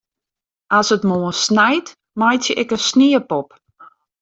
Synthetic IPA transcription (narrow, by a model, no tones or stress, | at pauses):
asətmoənsnɛjt | majtjəʔɛkənsniəpɔp